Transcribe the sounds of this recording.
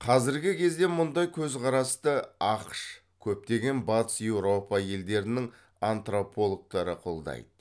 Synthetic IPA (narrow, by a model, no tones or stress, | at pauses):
qʰɑzɪɾɡʲɪkʲʰe̞zd̪e̞mʊnd̪ɑjkʲʰɵzqʰɑɾɑst̪əɑqʃ | kʲʰɵp̚t̪e̞ɡʲe̞nbɑt̪əsje̞wɾo̞pɑje̞ld̪e̞ɾɪnɪŋ | ant̪ropʰo̞lˠok̚t̪ɑɾəqʰo̞lˠd̪ɑ̰jd̪ə